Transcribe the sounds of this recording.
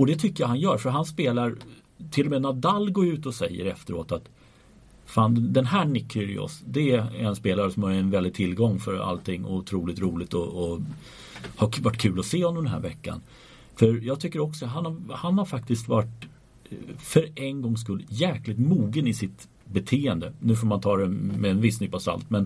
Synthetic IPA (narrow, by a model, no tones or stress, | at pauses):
ɔd̪ɛt̪ʰʏkːəjaɦanjœːɾfœɾɦanspeːlaɾ | t̪ʰɪlɔmɛːnad̪alːɡoɾʉ̟ːt̪ɔsɛjːə̰ɾɛ̰ft̪əɾo̰ːt̪at̪ | faːnd̪ɛnɦæːɳɪkʰːʏɾɪ̰ɔ̰sd̪ɛanspeːlaɾəsɔmhaɾɛnvɛlɪd̚t̪ʰɪlɡɔŋːfœɾa̰lt̪ʰɪŋːʊ̰t̪ʰɾuːlɪt̪ɾuːlɪt̪ɔː | havaʈːkʰʉ̟ːlɔseːhɔnɔmd̪ɛnɦæ̰ɾvɛkːa̰n | fœɾjɑːɡ̚t̪ʰʏkːəɾɔksɔɦanhahanhaɾfak̚t̪ɪskt̪vaʈ | fœɾʔɛnɡɔŋːs̬kɵlːjæːklɪt̪muːɡənɪsɪt̪ | bɛt̪ʰeːənd̪ənʉ̟ːfoːɾmant̪ʰɑːɾɛmɛːnvɪsnʏpːasa̰lt̪mɛn